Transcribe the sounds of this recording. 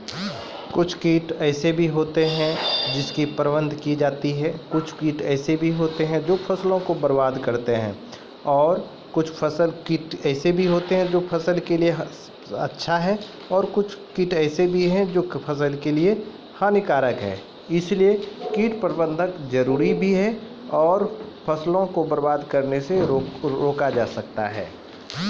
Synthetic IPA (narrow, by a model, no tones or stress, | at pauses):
kʊt͡ʃʰkiːʈɛːsebʱiɦoːt̪eɦɛ̃d͡ʒɪskipəɾbə̃nd̪ʱkid͡ʒaːt̪iɦɛːkʊt͡ʃʰkiːʈɛːsebʱiɦoːt̪eɦɛ̃d͡ʒoːpʰɐslõkobəɾbaːd̪kɐɾt̪eɦɛ̰̃ː | ɔːɾ | kʊt͡ʃʰpʰɐsəlkiːʈɛːsebʱiɦoːt̪eɦɛ̃d͡ʒoːpʰɐsəlkelieɦ | ɐ̰tːʃʰaɦɛ | ɔːɾkʊt͡ʃʰkiʈɛːsebʱiɦɛ̃d͡ʒoːpʰɐs̬əlkelie | hãnɪkaːɾəkɦɛ̰ː | ɪsliekiːʈpɾəɾbə̃nd̪ʱəkd͡ʒəɾuːɾibʱiɦɛ | ɔːɾpʰɐslõkobəɾbaːd̪kɐɾneseɾoːkad͡ʒa̰ːsɐk̚t̪a̰ɦɛ̰ː